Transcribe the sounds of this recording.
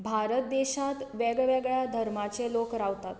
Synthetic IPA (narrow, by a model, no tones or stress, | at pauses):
bʱaɾət̪̚d̪eɕat̪ʋeɡɭʋɛɡɭjad̪ʱəɾmat͡selokɾaʋt̪at̪